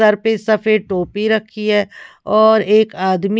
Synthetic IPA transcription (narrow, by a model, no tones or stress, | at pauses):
əɾpesɐfʰeːʈoːpiɾɐkʰːiɦɛː | ɔːɾeːkaːd̪mi